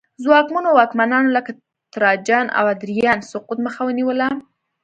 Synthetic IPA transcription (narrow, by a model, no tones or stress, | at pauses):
zwɑkmunowɑkmanɑnoləka | t̪ɾɑd͡ʒɑna̰wad̪ɾijɑnsʊqut̪məxawəniwəla